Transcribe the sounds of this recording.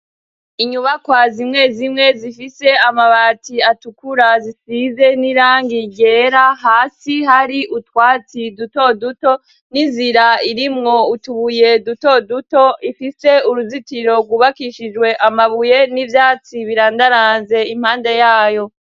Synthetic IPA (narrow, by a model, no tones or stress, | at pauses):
iɲuβakwazimŋe̞zimŋe̞zifise̞amaβaːtiatukuɾazisiːze̞niɾaːŋɡiɟe̞ɾaɦaːsiɦaɾiʔutwaːt͡siduto̞duto̞ | ninziɾaiɾimŋo̞utuβuje̞duto̞duto̞ʔifise̞uɾuzitiɾo̞ɡwuβakiʃid͡ʒwe̞ʔamaβuje̞nivjaːt͡siβiɾaːndaɾaːnze̞im̥haːnde̞jaːjo̞